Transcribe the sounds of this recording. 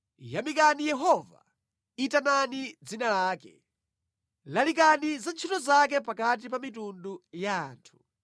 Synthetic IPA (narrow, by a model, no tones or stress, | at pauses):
jamikanijɛɦɔva̰ | itananid͡zinalaːkɛ̰ | lalik̬anizant͡ʃʰitɔzak̬ɛpakat̬ipamitunduja̰ːntʰu̥